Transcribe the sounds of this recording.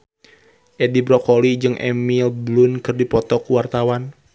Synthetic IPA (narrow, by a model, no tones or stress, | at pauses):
ʔedibɾɔkolid͡ʒɨŋʔɛ̰milblunkɨrdipɔt̪ɔkuwart̪awan